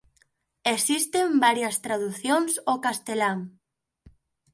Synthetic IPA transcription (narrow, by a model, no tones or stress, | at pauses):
esist̪embaɾjɐst̪ɾaðuθjoŋsokast̪elaŋ